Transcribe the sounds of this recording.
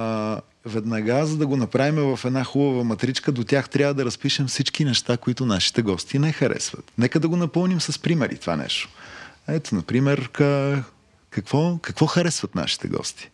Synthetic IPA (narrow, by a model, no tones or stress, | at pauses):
vɛd̪nɐɡazɐd̪ɐɡonɐpɾavimɛvɐfɛd̪naxubəvɐmɐt̪ɾit͡ʃkəd̪ot̪ʲjaxt̪ɾʲjavəd̪ɐɾɐspiʃɛmfsit͡ʃkinɛʃt̪akoit̪ʊnaʃi̥t̪ɛɡɔst̪inɛxɐɾɛ̰svɐ̰t̪nɛkəd̪ɐɡonɐpɤmˠnimsɐspɾimɛɾʔḭt̪ova̰nɛ̰ʃt̪o̥ɛt̪onɐpɾimɛɾ | kɐkvɔkɐkvɔxɐɾɛsvɐt̪na̰ʃi̥t̪ɛ̰ɡɔ̰st̪i̥